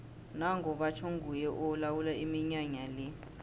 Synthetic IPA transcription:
naŋʱɔɓat͡ʃʰoŋɡʱujɛʔɔlawulaimiɲaɲali

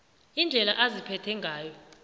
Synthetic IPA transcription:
ind͡ɮʱɛlaʔazipʰɛtʰɛŋɡʱaːjɔ

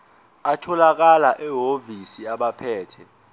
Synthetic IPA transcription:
atʰɔlak̬alaʔɛɦovisiaɓapʰɛːtʰɛ

